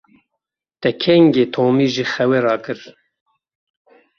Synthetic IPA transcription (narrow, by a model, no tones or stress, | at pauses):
t̪ɛkʰɛŋɡeːt̪ʰoːmiːʒixɛwɛɾɑːkɨɾ